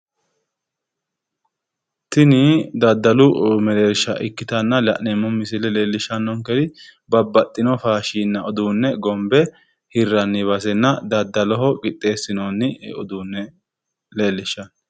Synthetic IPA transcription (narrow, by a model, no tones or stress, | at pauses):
t̪ɪnɪd̪ɐd̪ːɐlʊmɛleɾʃɐʔɪkːɪt̪ɐnːɐlɐ̰ʔnemːɔmɪsɪlɛleːlːɪʃːɐnːɔŋkɛd̪ɪ | bɐbːɐt̪ʼːɪnɔfaːʃiːnːɐɔd̪uːnːɛɡɔmbɛ | hɪrːɐnːɪβɐs̬ɛnːɐd̪ɐd̪ːɐlɔɦɔɡɪt̪ʼːe̞ːsːɪnonːɪɔd̪uːnːɛ | le̞ːlːɪʃːɐn